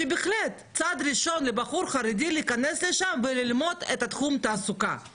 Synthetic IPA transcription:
ʃebeχlet̪t͡sad̪ɾiʃo̞nlebaχuɾχaɾed̪iliːkanesleʃamvelilmo̞d̪et̪at̪χumt̪aːsuka

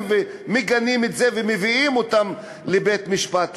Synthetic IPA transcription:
ve | meɡanimetzevemeviimot̪am | lebet̪miʃpat̪

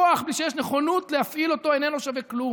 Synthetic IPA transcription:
oaχbliʃejeɛʃneχonutlehafʔilo̞toenenoʃaveklu

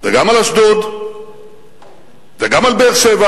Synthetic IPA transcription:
veɡamalasd̪od̪ | veɡamalbeʃeva

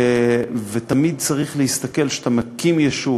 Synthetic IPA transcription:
vet̪amid̪̚t͡saʁiχlehist̪ake̞lʃt̪amakimjaʃu

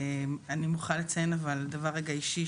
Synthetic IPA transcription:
manimuχanlet͡sajenavald̪avaʁeɡaiʃi

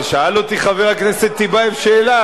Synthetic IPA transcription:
ʃaalot̪iχaveʁakneset̪ːibaefʃeːla

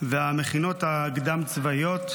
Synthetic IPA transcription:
veameχino̞t̪aɡd̪amt͡svajo̞t̪

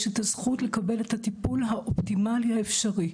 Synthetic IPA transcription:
ʃetazχutle̞kabe̞lethatipulɦaʔoptimalihaefʃaʁi

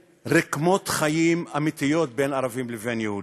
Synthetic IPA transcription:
ɾɛkmot̪χajimamit̪ijot̪̚benaɾavimlɛvenjɛhu

